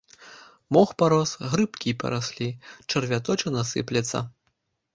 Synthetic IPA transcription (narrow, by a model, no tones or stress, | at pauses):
mɔxpaɾɔsɣɾɨpkʲipɐ̰ɾasʲlʲit͡ʂɐrvʲat̪ɔt͡ʃɐnasɨ̰plʲɛt̪sːɐ̰